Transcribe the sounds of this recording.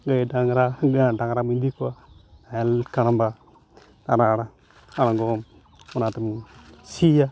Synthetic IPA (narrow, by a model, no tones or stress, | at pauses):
ɡajidaŋɾaɡadaŋɾamindikuanajalkaɾamba | aɾaɾa | aɾaɡom | unatumsija